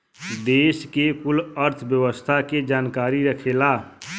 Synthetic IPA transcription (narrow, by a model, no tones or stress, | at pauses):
d̪eːskekʊləɾt̪ʰbjəwəst̪ʰaked͡ʒaːnkaːɾiɾəkʰelaː